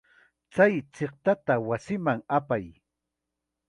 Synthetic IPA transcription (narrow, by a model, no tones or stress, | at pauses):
t͡sajt͡seχt̪at̪awasɪmaŋapaj